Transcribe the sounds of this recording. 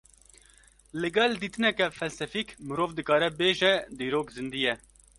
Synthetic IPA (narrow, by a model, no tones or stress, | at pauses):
lɨɡɛld̪iːt̪ɨnɛkɛfɛlsɛfiːkmɨɾoːvd̪ɨkɑːɾɛbeːʒɛd̪iːɾoːkzɨnd̪ijɛ